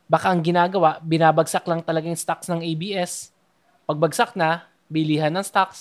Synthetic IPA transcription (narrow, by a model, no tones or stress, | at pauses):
bakaʔɐŋɡɪnaːɡɐwaʔbɪnaːbɐɡsaklɐŋt̪ɐlɐɡajŋst̪aksnɐŋʔejbiːʔɛs | pɐɡ̚bɐɡ̚sak̚nɐ | bɪliːhɐnːɐŋst̪aks